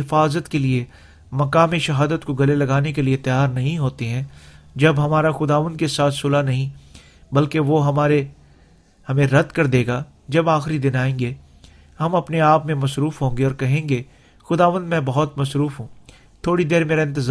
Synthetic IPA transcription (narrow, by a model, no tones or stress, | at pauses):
ɪfaːzət̪kelie | mɐkaːmiʃɐɦaːd̪ət̪koɡɐlelɐɡaːnekeliet̪ɐjaːɾnɐɦĩɦoːt̪eɦɛ̃ːd͡ʒɐbɦɐmaːɾaxʊd̪aːʋə̃nd̪kesaːt̪ʰsʊlanɐɦĩ | bɐlkeʋoɦɐmaːɾe | hɐmẽɾɐd̪kɐɾd̪eːɡa | d͡ʒɐbaːxɾid̪ɪnaːẽːŋɡe | hɐmɐpneaːpmẽmɐsɾuːfɦõːŋɡeɔːɾkɐɦẽːŋɡe | xʊd̪aːʋə̃nd̪mɛ̃bɐɦʊt̪mɐsɾuːfɦũː | t̪ʰoːɽid̪eːɾmeːɾaɪ̃nt̪ɪz